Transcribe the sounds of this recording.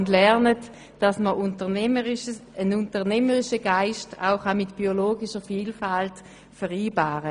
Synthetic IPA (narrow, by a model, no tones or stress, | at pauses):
ndlɛʁnət | d̥ɑsməʊntəəənʊntəʁnɛməʁɪʃəɡaɪʃta̰ʊχɑmɪtb̥ioloːɡɪʃəfiːlfalt | fɛʁiːbaːʁə